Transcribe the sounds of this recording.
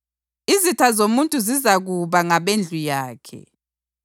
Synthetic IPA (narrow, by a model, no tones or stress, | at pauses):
izitʰazomuntʼuzizaɣuβaŋaβend͡ɮʱujaːkʰɛ̰